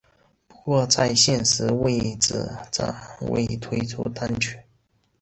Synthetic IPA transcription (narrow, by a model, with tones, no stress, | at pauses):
pu̥˧˥kwɔ˥˧t͡sa˥˧ɪɕjɛ˥˧nʂɻ̩˧˥we˥˧ɪʈ͡ʂɹ̩̰˨˩ʈ͡ʂa̰˨˩ŋwḛ˥˩ɪt̪ʰwe˥ɪʈ͡ʂʰṵ˥t̪a˥nt͡ɕʰy˥˩˦n